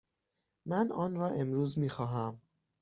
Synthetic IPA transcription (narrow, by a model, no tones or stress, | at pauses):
mænʔɒːnɾɒːʔe̞mɾuːzmiːxɒːɦæm